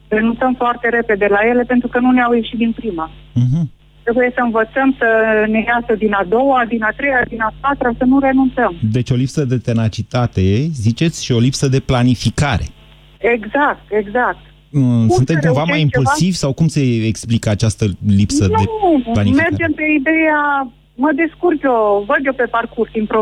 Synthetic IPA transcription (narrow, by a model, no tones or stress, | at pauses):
re̞nunt̪səmfoart̪e̞ɾe̞pe̞d̪e̞laje̞le̞pe̞nt̪ɾukənuneawje̞ʃit̪̚d̪inpɾima | ɦm̩ | t̪ɾe̞buje̞səɨnvət̪səmsənejasəd̪inad̪o̞wad̪inat̪ɾe̞jad̪inapat̪ɾasənuɾe̞nunt̪səmd̪e̞t͡ʃʲo̞lipsəd̪e̞t̪e̞nat͡ʃit̪at̪e̞zit͡ʃe̞t̪sʲʃio̞lipsəd̪e̞planifikaɾe̞ | e̞ɡzak̚t̪e̞ɡzak̚t̪ | sunt̪ekũvamajimulsivʲsawkumse̞ːksplikəat͡ʃast̪əlipssəd̪elanifme̞rad͡ʒempe̞id̪e̞ja | məd̪eskurkjʲovəd̪jo̞pe̞parkursd̪inpɾo